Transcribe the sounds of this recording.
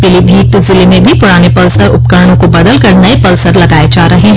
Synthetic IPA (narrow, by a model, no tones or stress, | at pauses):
pɪlibʱiːt̪zɪlemẽbʱipʊɽaːnepɐlsəɾʊp̚kəɾɽ̃õkobɐd̪əlkɐɾnɐepɐlsəɾlɐɡaːed͡ʒaːɾɐɦeɦ